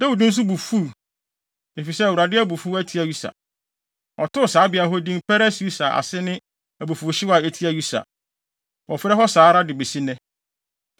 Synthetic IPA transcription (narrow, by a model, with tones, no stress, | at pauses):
dɛ˦u˨dũ˦n̩˦s̬u˦bu˨fu˦˨ | e˨fi˨sɛ˦æ˨wu˨ɾa˨dɪ˦æ˦bu˨fu˦æ˦tʰi˦æ˨ju˦sa̰˨ | ɔ˨tʊ˦˨saː˨˦bɪ˨a˨ɦɔ˦dĩ˦mpʰɛ˦ɾɛ˦su˦sa˨ʔa̰˨sɪ˦nɪ̃˦ | æ˨bu˨fu˨ɕɪ˦wa˨e˨tʰi˦æ˨ju˦sa̰˨ | ɔ˨fɪ˦ɾɛ˦ɦɔ˦saː˨˦ɾa˦dɪ˨be˨si˦nɛ̃˦